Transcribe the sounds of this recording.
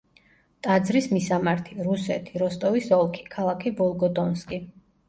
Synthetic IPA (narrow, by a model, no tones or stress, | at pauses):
t̪ʼad̪zɾismisamaɾt̪ʰiɾusɛ̰t̪ʰi̥ɾɔst̪ʼɔvisɔlˠkʰi̥kʰalˠakʰibɔlˠɡɔd̪ɔnskʼi